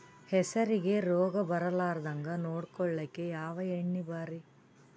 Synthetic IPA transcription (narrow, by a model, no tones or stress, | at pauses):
hɛsɐɾiɡe̞ɾoːɡɐbɐɾɐlaːɾɐd̪ɐŋɡɐnoːɽkɔɭːɐkːejaːʋɐeɳːibaːɾi